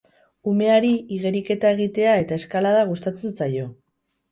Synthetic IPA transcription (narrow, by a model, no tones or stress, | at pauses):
ume̞aɾiiɣe̞ɾike̞t̪ae̞ɣ̞it̪e̞ae̞t̪ae̞skalaðaɣ̞ust̪at͡sent͡sajo̞